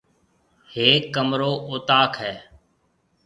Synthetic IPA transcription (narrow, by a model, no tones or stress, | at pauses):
heːkːəmɾoːʔʊːt̪aːkʰɦɛː